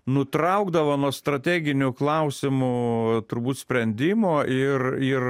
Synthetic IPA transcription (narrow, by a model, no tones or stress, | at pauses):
nʊt̪ɾɐʊɡd̪ɐʋoːnuɔst̪ɾɐt̪ʲæːɡʲɪnʲʊklˠɐʊsʲɪmʊt̪ʊɾbuːt̪sʲpʲɾʲɛnʲd̪ʲɪmoːʔɪrɪr